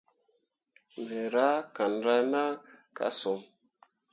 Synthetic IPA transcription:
me˨ɾa˦ka˨nɾa˧na˦ka̰˦so˨m

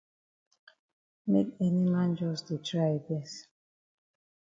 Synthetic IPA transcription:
me˦ke˦ni˦mã˦nd͡ʒɔ˦stu˨tɾa˦ɪ˨bɛ˦s

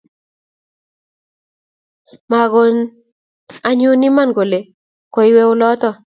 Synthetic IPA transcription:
ma˨ɡo˦n | a˦ɲʊ˦ni˦ma˦nɡo˨le˨ | ko˨i˦we˦ʊ˦lɔ˦t̪ɔ˦

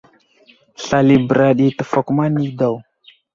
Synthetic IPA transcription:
ɬa˨li˨bə˨ɾa˨ɗi˨tə˨fo˨kma˦ni˦da˨w

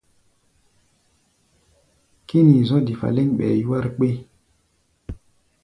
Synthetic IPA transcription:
ki˦ni˨zɔ̃˦di˨fa̰˨le˦ɲɓɛ̰˨ju˦wa˦ɾk͡pe˦

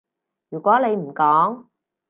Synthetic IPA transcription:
jyː˨˩kʷwɔː˨˥ne˨˧jm̩˨˩kɔː˨˥ŋ

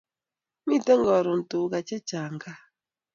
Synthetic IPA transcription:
mi˦˨te˦ŋ˦ɡɔ˨ɾʊ˨n̩˨tʊ˨˦ɡa˨t͡ʃe˦t͡ʃa˨ŋ̩˨ɡa˦

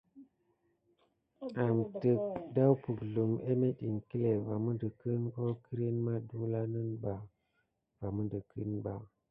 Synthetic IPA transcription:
a˨mtə˨k̚da˦wpu˨ɡɮu˨me˦me˦ɗi˨ŋki˦le˨va˨mə˦ndə˨kə˦nko˦ki˦ɾi˦nma˦du˦la˦nə˦nba˨ | va˨mə˦ndə˨kʰi˦nba˨

